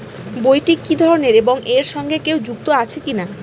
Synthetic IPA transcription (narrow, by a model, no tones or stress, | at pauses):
bojʈikid̪ʱɔɾoneɾeboŋʔeɾʃɔŋɡekewd͡ʑuk̚t̪oat͡ɕʰekina